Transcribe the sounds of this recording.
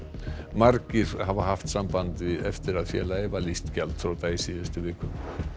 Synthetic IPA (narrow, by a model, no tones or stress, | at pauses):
maɾcɪɾ̥havaɦaft̪sampant̪vɪðɛft̪ɪɾaðfjɛ̰ːlaɛvalist̪cɛlt̪θɾawt̪aːisiðʏst̪ʏvɪːkʏm